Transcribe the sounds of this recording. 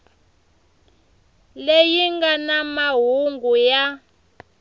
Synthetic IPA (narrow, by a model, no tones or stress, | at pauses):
lejiŋɡanamaɦuŋɡuja